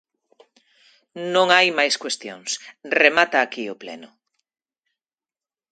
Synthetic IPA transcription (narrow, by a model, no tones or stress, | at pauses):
nõŋajmajskwest̪jo̰ŋsremat̪aːkiʊplɛ̰nʊ